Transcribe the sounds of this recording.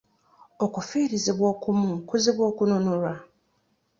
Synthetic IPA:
ɔkufiɾizɪbwɔkʰumũkʰʊzɪbwɔkunʊ̃nũɾa

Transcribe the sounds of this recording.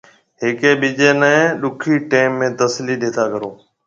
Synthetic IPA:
ɦɪːkeːɓid͡ʒeːnəẽɗʊkʰiːʈeːmːẽːt̪əsliːɗeːt̪ʰaːkəɾoː

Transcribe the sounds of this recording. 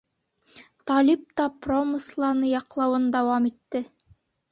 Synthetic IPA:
t̪ɑlip̚t̪ɑpromɤslˠɑnɤjɑqlˠɑwɤnd̪æwɑmit̪ːɘ

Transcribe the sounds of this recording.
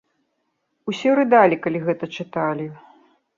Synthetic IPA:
usʲɛɾɨd̪alʲikalʲiɣɛt̪ɐt͡ʂɨt̪alʲi

